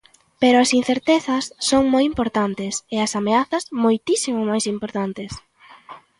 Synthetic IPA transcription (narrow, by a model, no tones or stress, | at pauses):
peɾʊɐsin̟θeɾt̪ɛθɐsːoŋmojimpoɾt̪ant̪ɪsɪɐsameaθɐzmojt̪isimʊmajsimpoɾt̪ant̪ɪs